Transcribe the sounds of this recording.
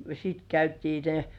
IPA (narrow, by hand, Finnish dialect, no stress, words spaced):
sit kæytiː ne